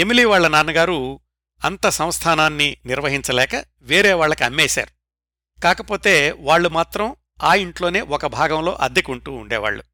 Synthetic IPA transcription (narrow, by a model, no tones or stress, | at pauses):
emiliːʋaːɭːɐnaːnɐɡaːɾu | ɐnt̪ɐsɐw̃st̪ʰaːnaːnːiniɾʋɐɦiɲt͡ʃɐlɛːkɐ | ʋeːɾɛːʋaːɭːɐkiɐmːɛːʃa̰ːɾu | kaːkɐpo̞ːt̪e̞ːʋaːɭːumaːt̪ɾɐm | aːiɳʈlo̞ːne̞ːʔɔkɐbʱaːɡɐmlo̞̰ːʔɐd̪ikuɳʈuːɳɖɛːʋa̰ːɭːṵ